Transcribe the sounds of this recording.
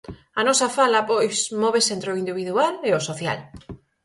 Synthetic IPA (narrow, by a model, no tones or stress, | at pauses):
anɔsafalapojsmoβesent̪ɾeoind̪iβ̞iðualeosoθja̰l